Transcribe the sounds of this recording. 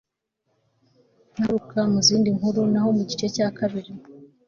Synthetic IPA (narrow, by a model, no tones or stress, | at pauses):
n̥haɾukamuziːndiŋhuɾunaɦo̞muɟit͡ʃe̞caːkaβiɾi